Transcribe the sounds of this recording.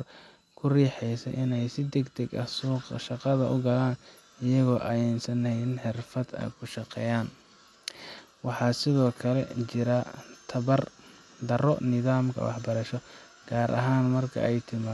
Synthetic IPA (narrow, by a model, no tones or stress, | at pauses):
r | kʰʊriːħɛjsɐ̰ʔɪnɛjsɪd̪ɛɡt̪ʰɛɡɐ̰suːqʃɑqɑðɐʔʊɡɐlaːn | ɪjɐɣɔːʔɐjɛnsɐnɛjɪnħɪrfɐd̪ɐ̰jkʰʊʃɑqɛ̰ːjaːn | wɑħɑːsɪðɔːkʰɐlɛt͡ʃɪɾɐt̪ʰɐβɐr | d̪ɐrɔnɪðaːmkʰɐ̰wɑ̰ħbɐɾɐʃɔ | ɡ̥aːɾʔɐ̰ɦaːnmɐrkʰɐ̰ɛjt̪ʰɪmaː